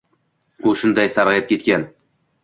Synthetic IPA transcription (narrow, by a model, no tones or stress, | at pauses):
ʊʃʊnd̪ajsaɾʁɑjɪp̚kʲʰe̞t̪kʲan